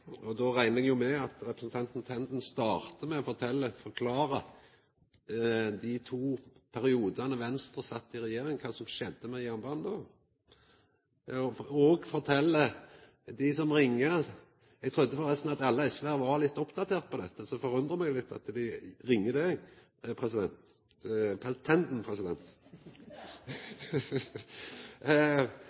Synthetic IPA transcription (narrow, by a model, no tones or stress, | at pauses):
ɔd̪ɔɾæɪnəɛɡjʊmɛɑt̪ɾɛpɾəsn̩t̪ʰɑnt̪nt̪ʰɛnd̪n̩st̪ɑːʁt̪əmɛɔfɔʁt̪ʰɛlːəfɔɾkʰlɑːɾə | d̪ɪt̪ʰuːpʰæɾɪuːd̪ɑnəʋɛnst̪ʁəsɑt̪ːɪɾɛjeːɾɪŋkʰɑːsɔmʃɛd̪ːəmɛjænbɑːnd̪ɔ | ɔɔɡfɔʁt̪ʰɛlːə | d̪ɪsɔmʁɪŋːə | ɛɡ̚t̪ʰʁʉd̪ːəfɔɾʁɛst̪nɑt̪ɑlːəɛsʋæːʋɑlɪt̪ːɔpd̪ɑt̪ʰeːʁt̪̚pʰɔd̪ɛt̪ːəsɔfɔɾʉnd̪ʁəmɛɡlɪt̪ːɑ̰t̪d̪ɪɾɪŋːəd̪ɛ | pʰʁɛsɪd̪ɛnt̪ | pʰɛlt̪ʰːɛnd̪n̩pʰʁɛsɪd̪ɛnt̪